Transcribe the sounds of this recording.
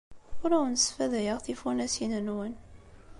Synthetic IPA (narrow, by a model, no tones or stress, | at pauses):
ʊɾæwənsfæðæjəʁθifunæsinənwən